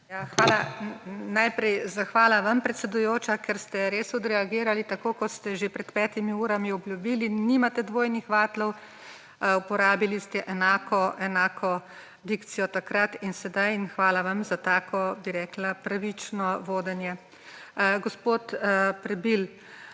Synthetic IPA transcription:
jaxʋaːlanajpɾɛjzaxʋaːlaʋampɾɛt̪sɛd̪ujoːt͡ʃakɛɾst̪ɛɾeːsɔd̪ɾɛaɡiːɾalit̪akoːkɔt̪st̪ɛʒepɾɛt̪pɛːt̪imiuːɾamiɔbljubilinimat̪ɛd̪ʋoːjnixʋaːt̪lɔw | upɔɾaːbilist̪ɛʔɛnaːkɔʔɛnaːkʰɔ | d̪ikt̪sijɔt̪akɾat̪insɛd̪ajinxʋaːlaʋamzat̪aːkʰɔbiɾɛːklapɾaʋit͡ʃnɔʋoːd̪ɛnjɛ | ɡɔspot̪pɾɛbil

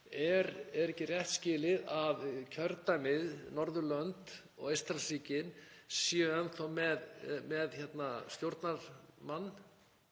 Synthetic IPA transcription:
ɛɾɛɾɛhcɪrjɛht̪scɪːlɪðavcʰœɾt̪amɪðnɔɾðʏlœnt̪ | ɔ̰ɣejst̪ɾasiːcɪnsiɛnθɔmɛðmɛðçɛt̪nast̪jowɾt̪naɾ̥manː

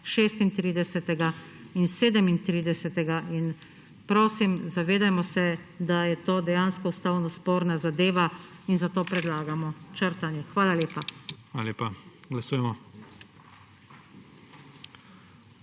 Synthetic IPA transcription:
ʃeːst̪int̪ɾiːd̪ɛsɛt̪ɛɡa | inseːd̪ɛmint̪ɾiːd̪ɛsɛt̪ɛɡain | pɾoːsimzaʋeːd̪ajmɔsɛd̪ajɛt̪oːd̪ɛjaːnskɔust̪awnɔspoːɾnazad̪eːʋainzat̪oːpɾɛd̪laːɡamɔt͡ʃəɾt̪anjɛxʋaːlaljeːpaxʋaːlaleːpaɡlasuːjɛmɔ

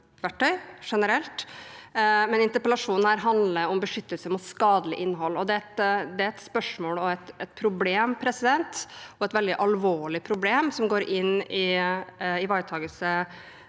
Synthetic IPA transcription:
ʋæʈʰːœʏʂɛnəɾɛlt̪ | mɛnɪnt̪əɾpəlɑʂuːnn̩hæːɾɦɑnd̪ləɾɔmbəʂʏt̪ːəlsəmʊt̪skɑːd̪əlɪ̰ʔɪnːɦɔlːɔd̪ɛɛt̪d̪ɛæɾɛt̪spœʂmoːlɔɛt̪ɛt̪̚pʰɾʊbleːmpʰɾɛsɪd̪ɛnt̪ɔɛt̪ʋɛld̪ɪʔɑlʋoːɭɪpʰɾʊbleːmsɔmɡoːɾʔɪnːɪ | ɪʋɑɪt̪ʰɑːɡəlsə

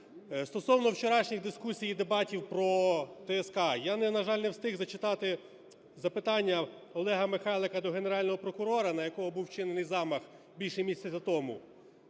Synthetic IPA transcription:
st̪ɔsɔwnɔwt͡ʃeɾɑʃnʲiɣd̪ɪskusʲijid̪ebɑtʲiwpɾɔt̪ɛɛskɑjanɛnɐʒɑlʲnɛwst̪ɪɣzɐt͡ʃɪt̪ɑt̪ɪ | zɐpɪt̪ɑnʲːɐ | ɔlˠɛɦɐmɪxɑjlˠekɐd̪ɔɦeneɾɑlʲnɔɦɔpɾɔkʊɾɔɾɐnɐjɐkɔɦɔbuwt͡ʃɪnenɪjzɑmɐx | bʲilʲʃɛmʲisʲt̪ʲsʲɐzʲɐt̪ɔmʊ̰

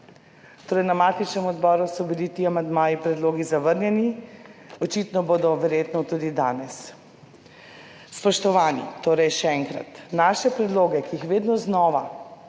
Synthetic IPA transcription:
t̪oːɾɛjnamaːt̪it͡ʃnɛmɔd̪bɔːɾusɔbilit̪iːamand̪maːjipɾɛd̪loːɡizaʋəɾnjɛni | ɔt͡ʃit̪nɔboːd̪ɔʋɛɾjeːt̪nɔt̪uːd̪id̪a̰ːnɛs | spɔʃt̪ɔʋaːnḭt̪oːɾɛjʃɛɛŋkɾa̰t̪naːʃɛpɾɛd̪loːɡɛkiixʋeːd̪nɔznɔːʋa̰

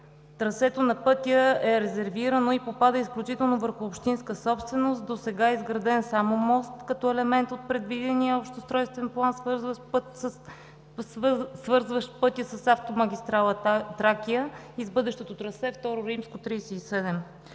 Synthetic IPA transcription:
t̪ɾɐsɛt̪onɐpɤt̪ʲjəɛɾɛzɛɾviɾənoipopad̪əisklʲut͡ʃit̪ɛlˠnovəɾxʊːpʃt̪inskəsɔpst̪vɛnost̪d̪osɛɡaɛizɡɾɐd̪ɛnsamomɔst̪kɐt̪ɔɛlɛmɛnt̪ot̪̚pɾɛd̪vid̪ɛniəopʃt̪ost̪ɾɔjst̪vɛnplˠansvɤɾzvəpt̪sə | svɤɾzvəʃt̪pɤt̪ʲjəsɐsaft̪omɐɡʲist̪ɾalˠət̪ɾakijə | izbɤd̪ɛʃt̪ɛt̪ot̪ɾɐsɛft̪ɔɾoɾimskot̪ɾijsɛisɛd̪ɛm

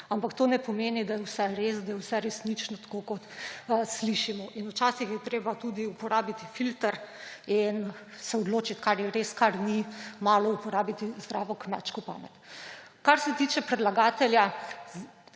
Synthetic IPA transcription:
ampakt̪oːnɛpɔmeːnid̪ajɛwsɛɾeːsd̪ajɛwsɛɾɛsnit͡ʃnɔt̪ḁkokɔt̪sliʃimɔʔinut͡ʃaːsixjɛt̪ɾeːbat̪uːd̪iupɔɾaːbit̪i̥filt̪əɾin | sɛɔd̪loːt͡ʃit̪kaɾjɛɾeskaɾnimaːlɔupɔɾaːbit̪izd̪ɾaːʋɔkma̰t͡ʃkɔpa̰ːmɛt̪kaɾsɛt̪it͡ʃɛpɾɛd̪laɡaːt̪ɛlja

